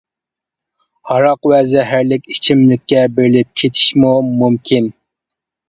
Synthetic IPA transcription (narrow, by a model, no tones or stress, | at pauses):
hɑɾɑqwɛzɛɦæɾlɪkʲit͡ʃʰimlɪkʲːɛbeɾɪlɪp̚kʲʰet̪ʰi̥ʃmumumkʲʰin